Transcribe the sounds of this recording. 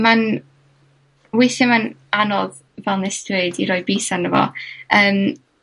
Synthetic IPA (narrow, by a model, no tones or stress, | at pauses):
man | wɪθamananɔð | vɛlˠnɛsdweːdḭɾɔːjbiːsanːəvɔ̰əːm